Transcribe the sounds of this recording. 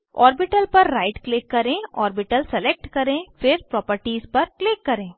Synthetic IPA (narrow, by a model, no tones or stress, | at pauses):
ɔːɾbɪʈəlpɐɾːaːɪʈklɪkːɐɾẽːɔ̰ːɾbɪʈəlsɛleːk̚ʈkɐɾẽːfɪɾpɾɔːpəɾʈiːzpɐɾklɪkːɐɾẽː